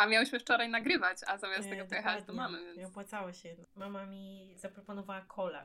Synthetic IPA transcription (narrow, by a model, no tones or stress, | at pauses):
ʔamʲjawɘɕmɘft͡ʂɔɾajnaɡɾɘvat͡ɕa̰zamʲjast̪ɛɡɔpɔjɛxat̪ɔmamɨvɛnɔpwat̪sawaɕɛmamamʲiz̥apɾɔpɔnɔvawakʰɔla̰